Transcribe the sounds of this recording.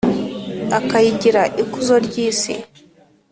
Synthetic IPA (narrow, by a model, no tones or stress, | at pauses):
akajiɟiɾaʔikuzoɾɟiːsḭ